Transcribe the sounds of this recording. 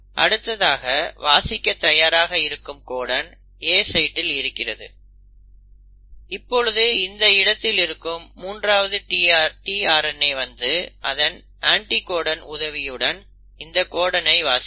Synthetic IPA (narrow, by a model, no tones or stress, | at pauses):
ʔɐ̰ɽɯt̪ːɐðaːɣɐʋaːsɪkʲːɐt̪ɐjaːɾaːɣɐɪɾɯkːɯmkoːɽɐn | eːsɐɪʈːɪlɪɾɯkːɪrɐðɯ̰ | ɪpːɔɻɯðɯɪnd̪ɐɪɽɐt̪ːɪlɪɾɯkːɯmːuːndraːʋɐðɯʈiːaːɾʈiaːɾɐnɐɪʋɐnd̪ɯʔɐðɐn | aːɳʈikoːɽɐnʊðɐʋɪjɯɽɐn | ɪnd̪ɐkoːɽɐnɐɪʋaːs